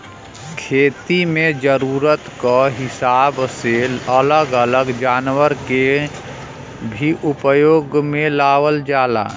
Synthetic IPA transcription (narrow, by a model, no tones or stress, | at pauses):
kʰeːt̪imẽd͡ʒəɾuːɾət̪kəɦɪsaːbseələɡələɡd͡ʒaːnwəɾke | bʱiʔupəjoːɡmẽlaːʋəld͡ʒaːla̰ː